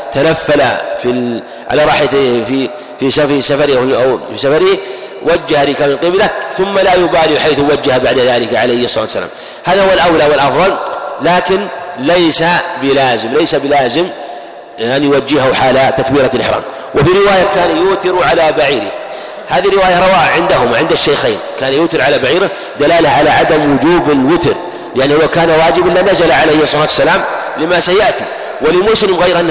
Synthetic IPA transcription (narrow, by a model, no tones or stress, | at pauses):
t̪anafːala̰fi | ʕa̰laːɾˤɑːħjafi | fisafisafɑɾʔawfisafɑɾɪh | wad͡ʒːahalikamɪnqɪblaθʊmːalajʊbaːliħajθwad͡ʒːahbaʕd̪aðaːlɪkaʕalajhʔɑsˤːɑɑ̰ːt̪wsːala̰ːm | haːðahʊwːalʔawlaːwɪlʔɑfðˤɑllaːkɪnlajsabɪlaːzɪmlajsabɪlaːzɪm | ʔanjʊwad͡ʒːɪhʊħaːlat̪akbiːɾalʔɪ̰ħɾa̰ːm | wʔɪfiɾɪwaːjakaːnajʊːt̪ɪɾʕalabaʕiːɾɪ̰h | haːðirːɪwaːjaɾˤɑwaːʕɪnd̪aɦʊmaʕɪnd̪aʃːajxeːnkaːnajʊːt̪ɪɾʕalabaʕiːɾɪ | d̪alaːlaʕalaʕad̪amwʊd͡ʒuːbɪlwɪt̪ɾ | jɪʔanihʊwːakaːnawaːd͡ʒɪbʔɪlːanazalaʕalejɑsˤːɑlaːt̪wasːalaːm | lɪmasajaʔt̪ḭ | wɪlɪmʊslɪmɣajɾʔanː